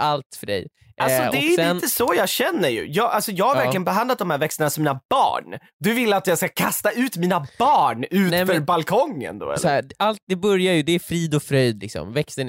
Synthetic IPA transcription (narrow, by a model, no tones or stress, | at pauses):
ʔalt̪fœɖɛ̰j | ʔalsɔɛɾɪnɛnəsɔjɑːɕɛnːəɾjɵ̰jɑːɡʔalsɔjɑːɡhaɾvæɾlɪɡənbɛɦand̪lat̪̚d̪ɔmhæːɾvɛkst̪ənasɔmːiːnabɑ̰ːɳ | d̪ɵvɪlːat̪jɑːɡskakʰast̪aʉ̟ːt̪miːnab̥ɑːɳʉ̟ːt̪fœɾbalkʰɔŋːə̰nd̪ɔ̰ɛ̰ɔæʔalt̪̚d̪ɛbɵɾjajɵd̪ɛːfɾiːd̪ɔfɾœjd̪lɪksɔ̰mvɛkst̪ən